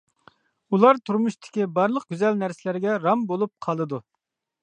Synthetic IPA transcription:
ulˠɑɾt̪ʰuɾmuʃt̪ʰɪ̥kʲibɑɾlˠəq̚ɡʲyzælnæɾsɪlæɾɡʲɛɾɑmbolˠup̚qʰɑlˠɨd̪u

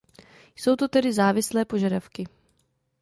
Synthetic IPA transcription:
jsowt̪o̞t̪ɛdɪzaːvɪslɛːpo̞ʒadafkɪ

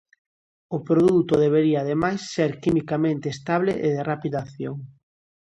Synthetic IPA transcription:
ʊpɾoðut̪oðeβ̞eɾiaːðemajsːeɾkimikamẽnt̪eːst̪aβ̞leʔeðerapiðaθjoŋ

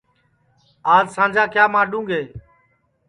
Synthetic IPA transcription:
aːzsãːnd͡ʒaːkjaːmãːɗũːɡeː

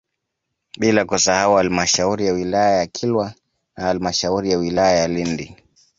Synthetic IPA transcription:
ɓilakusahauhalimaʃauɾijawilajajakʰilwa | nahalimaʃauɾijawilajajalindi

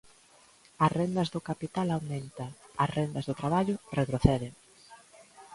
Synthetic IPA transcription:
ɐsrend̪ɐzðʊkapit̪alawmẽnt̪aɐsrend̪ɐzðot̪ɾaβaʎʊret̪ɾoθeðeŋ

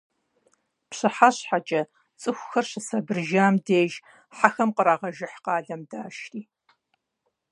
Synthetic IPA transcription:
pɕɨħaɕħat͡ʃʼɐ | t͡sʼɨxʷxɐrɕɪsɐbɨrʒaːmdeːʒ | ħaxɐmqəɾaːʁɐʒɪħqɑːɮɐmdaːʃtiː

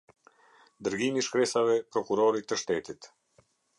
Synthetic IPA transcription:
d̪əɾɡimiʃkɾɛsavɛpɾɔkuɾɔɾit̪ːəʃt̪ɛt̪it̪

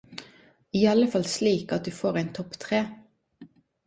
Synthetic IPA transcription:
iːɑləfɑlsliːkɑt̪̚d̪ʉːfoːʁæɪnt̪ʰɔpt̪ʰʁeː

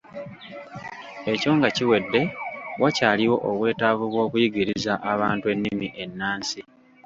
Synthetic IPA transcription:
e̞co̞ːŋɡaciwe̞dːe̞wacaːliwo̞ʔoβwe̞ːtaːβuβwo̞ːkujiɡiɾizaʔaβaːntue̞nːimiʔe̞nːaːnsi

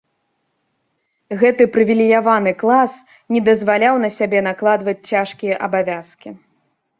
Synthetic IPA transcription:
ɣɛt̪ɨpɾɨvʲilʲijavanɨklˠas | nʲɛd̪ɐzvalʲawnɐsʲabʲɛn̪aklˠad̪vɐt͡sʲt͡sʲaʂkʲijɐʔɐbavʲaskʲi

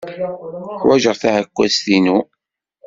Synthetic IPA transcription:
ħwæʒəɾˤθæhækʷːæst̪inu

